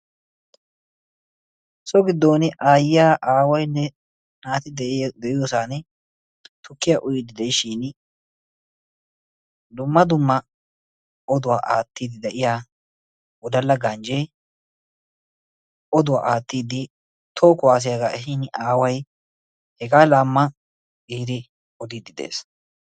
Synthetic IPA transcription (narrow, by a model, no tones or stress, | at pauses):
sɔɡɪd̪ːo̞ːnɪʔaːjɪjaːʔaːwɐjnːɛ | naːt̪ɪd̪ɛd̪ɛʔɪjoːsaːnɛ | t̪ʊkːɪjaːʔʊjɪd̪ɪd̪ɛjɪʃiːn | d̪ʊmːɐd̪ʊmːɐ | ɔd̪ʊwaːʔaːt̪ːiːd̪ɪd̪ɛʔɪjaː | ʊd̪ɐlːɐɡɐnd͡ʒe | ʔɔd̪ʊwa̰ːʔaːt̪ːiːd̪ɪ | t̪ʰoːkʊwaːs̬ɪjaɡaːʔɛɦinʔaːwɐj | hɛɡaːlaːmːɐ̥ | iːd̪ɪ | ɔd̪iːd̪ɪd̪ḛːs